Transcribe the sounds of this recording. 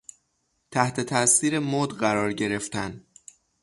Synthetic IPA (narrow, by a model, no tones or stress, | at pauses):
t̪ʰæht̪ʰe̞t̪ʰæsiːɾe̞moːd̪ɢæɾɒːɾɟe̞ɾe̞ft̪æn